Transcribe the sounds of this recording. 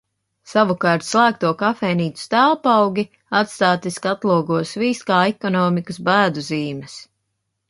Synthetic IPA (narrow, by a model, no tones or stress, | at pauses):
savukɑːɾt̪slˠæːk̚t̪uɔkafɛːniːt̪u̥st̪æːlˠpawɡʲi | at̪st̪aːt̪iskat̪lˠuɔɡuɔsviːskaːɛkɔnɔːmikəsbæːd̪uziːmɛs